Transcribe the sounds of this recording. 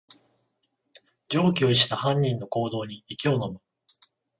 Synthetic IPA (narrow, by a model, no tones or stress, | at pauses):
d͡ʑo̞ːkʲoːɕi̥t̪ahãɲ̟ːĩnːo̞ko̞ːd̪o̞ːɲ̟iikʲionomɯ